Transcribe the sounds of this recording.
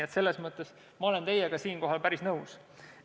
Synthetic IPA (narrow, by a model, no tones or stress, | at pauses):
et̪se̞lːe̞smɤt̪ːˑe̞s | mɑo̞le̞nt̪e̞jeɡɑsiːnko̞ɦɑlpæɾisnɤws